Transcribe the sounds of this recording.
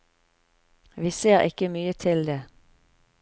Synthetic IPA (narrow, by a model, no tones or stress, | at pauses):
ʋiːseːʁɪ̰kəmyːət̪ʰɪld̪eː